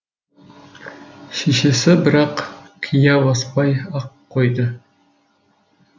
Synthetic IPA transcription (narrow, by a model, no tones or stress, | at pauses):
ʃeʃesɪbɪɾɑqkʲʰijɑwɑspɑjɑqʰːojd̪ə